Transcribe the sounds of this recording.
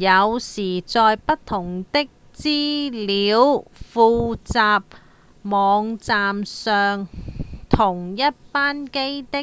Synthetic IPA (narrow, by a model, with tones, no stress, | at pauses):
jɐ˨˧wsiː˨˩t͡sɔː˧jpɐ˥t̪ʰːʊ˨˩ŋt̪ɪ˥k̚ | t͡siː˥liː˨˧˥wfuː˧t͡saː˨˧p̚ | mɔː˨˧ŋt͡saː˨˧msœː˨˧ŋt̪ʰʊ˨˩ŋjɐ˥t̚paː˥nke˥jt̪ɪ˥